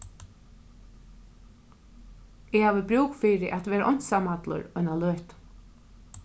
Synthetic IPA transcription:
ɪhaːʋəbɾuːkfiːɾɪʔæt̪ʋeːɾaʔɔjn̥t̪samat̪lʊ̰ɾœnalœːht̪

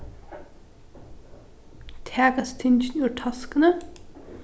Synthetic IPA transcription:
t̪ʰæːkɑst̪ʰɪnçn̩ʉːʈʰɑskənə

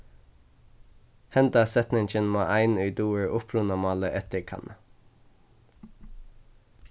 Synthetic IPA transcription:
hɛnd̪ɑsɛt̪nɪŋçənmo̰ːʔæɪnœʏd̪uːəɹʔʊpʰɹʉnɔmɑːləʔɛt̪əkʰɑ̰nʔə

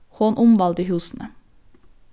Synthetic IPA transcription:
hoːnʔʊmʋɑld̪əhʉːsn̩ʔə

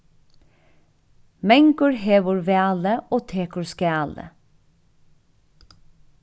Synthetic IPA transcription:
mɛŋɡʊɹheːʋʊɹʋeːɑːləʔoːt̪ʰeːkəɹskɛːɑːlə̰

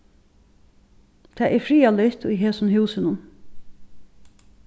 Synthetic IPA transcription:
t̪ʰɛːʔɛɾfɾiːalɪht̪ʊjɦeːsʊnɦʉːsɪnʊn

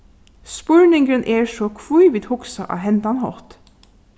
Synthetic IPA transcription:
spʊɹnɪŋɡənʔeːɹʃoːkʰʋujʋɪd̪hʊksɑ̰ʔɑ̰ːhɛnd̪ɑnhɔ̰t̪

